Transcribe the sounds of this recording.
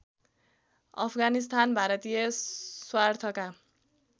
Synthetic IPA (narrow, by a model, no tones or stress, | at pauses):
ʌ̰pʰɡanis̬t̪ʰanbʱaɾʌt̪ijʌswart̪ʰʌka